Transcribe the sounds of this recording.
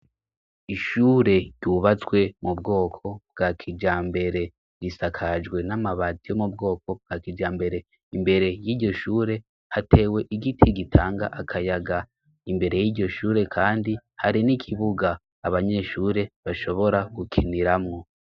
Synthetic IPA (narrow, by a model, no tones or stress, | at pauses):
iʃuːɾe̞ɟuβat͡swe̞mubɡo̞ːkʰo̞b̚ɡ̥akʰid͡ʒaːmbe̞ɾe̞ | ɡisakʰad͡ʒɡwe̞namaβatijo̞mub̚ɡo̞ːkʰo̞b̚ɡ̥akid͡ʒaːmbe̞ɾe̞ | imbe̞ɾe̞jiːɟɟo̞ʃuːɾe̞ | hate̞we̞ʔiɡitʰiɡitʰaːŋɡa̰ʔakʰajaɡa | imbe̞ɾe̞jiːɟo̞ʃuːɾe̞kʰaːndihaɾinikʰiβuɡaː | βaɲe̞ːʃuːɾe̞βaʃo̞βo̞ɾaɡ̥ukʰiniɾamŋo̞